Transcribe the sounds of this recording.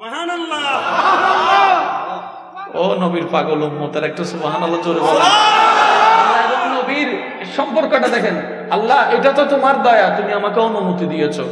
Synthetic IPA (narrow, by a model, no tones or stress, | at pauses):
ɦanlːbɦanɐlː | onobiɾpaɡolomɦot̪aɾɛk̚ʈasubɦanalːad͡ʒoɾibɔla | ɐlːaeɾɔnobiɾ | ʃɔmpɔɾkoʈad̪ɛkʰen | alːaejʈat̪ot̪omaɾd̪ɔjat̪umiamakeɔnumut̪id̪ijet͡ʃʰo